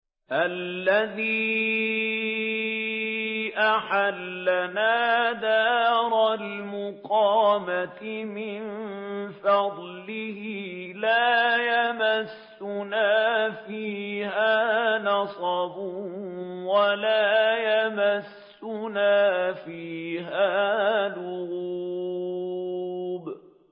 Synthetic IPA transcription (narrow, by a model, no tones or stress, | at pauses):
ʔalːaðiː | ʔaħalːanaːd̪aːɾˤalmʊqɑːmat̪ɪmɪnfɑd̪ˤlɪhiːlaːjamasːʊnaːfiːhaːnɑsˤɑbʊ | walaːjamasːʊnaːfiːɦaːlʊɣuː | b